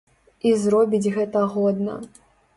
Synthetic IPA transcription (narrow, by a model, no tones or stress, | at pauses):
izrɔbʲid͡zʲɣɛt̪ɐɣɔd̪nɐ̰